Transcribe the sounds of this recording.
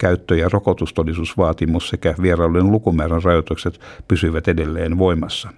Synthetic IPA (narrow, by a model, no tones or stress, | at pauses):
kæyt̪ːøjɑrokot̪ust̪onːisusʋɑːt̪imussekæʋierɑːlːunlukumæːrænrɑjot̪ukset̪pysyʋæt̪edelːeːnʋoimɑsːɑ